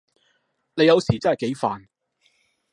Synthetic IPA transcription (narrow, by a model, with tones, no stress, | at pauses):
ne˨˧jɐ˨˧wsiː˨˩t͡sɐ˥nhɐ˨˩ke˨˥jfa̰ː˨n